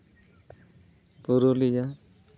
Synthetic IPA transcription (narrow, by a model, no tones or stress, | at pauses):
b̥uɾolija